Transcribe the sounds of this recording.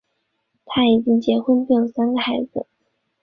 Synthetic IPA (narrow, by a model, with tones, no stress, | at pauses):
t̪ʰa˥i˨˩t͡ɕi˥ŋt͡ɕjɛ˧˥xwə˥npi˥˩jo˨˩ŋsa˥nɡə˨˩xa˧˥ɪd͡zɹ̩˧˩